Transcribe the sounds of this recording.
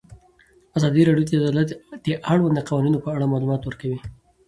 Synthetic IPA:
azɑd̪iɾɑɽjot̪ad̪lat̪d̪əʔaɽwand̪əqɑwɑninopəaɽamɑlumɑt̪wəɾkawi

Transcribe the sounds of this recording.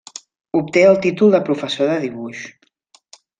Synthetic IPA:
up̚t̪eəlˠt̪it̪ulˠd̪əpɾufəsoðəðiβuʃ

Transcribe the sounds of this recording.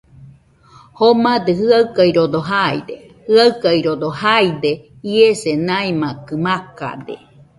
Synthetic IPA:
homad̪ehɨaɯkajɾod̪oɦaj̰d̪e | hɯaɨkajɾod̪ohajd̪e | iesenajmakɯmaka̰d̪ḛ

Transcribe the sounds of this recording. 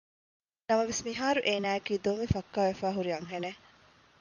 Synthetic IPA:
nɐmɐʋesmiɦaːɾuʔeːnæːekiːd̪oːmifɐkːaːʋefæːɦuɾijɐŋɦene

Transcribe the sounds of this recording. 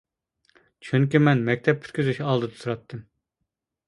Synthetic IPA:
t͡ʃʰyŋkʲimɛnmɛk̚ʲt̪ʰɛp̚ʰy̥t̪̚ʲkʲyzyʃɑlˠd̪ɨd̪ɨ̥suɾɑt̪ʰːɨm

